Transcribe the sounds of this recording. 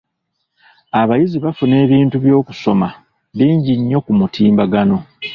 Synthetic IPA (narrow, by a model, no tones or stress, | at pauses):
aβajiziβafune̞ːβiːntuβjo̞ːku̥so̞ma | βiːɲɟiɲːo̞kumutʰiːmbaɡano̞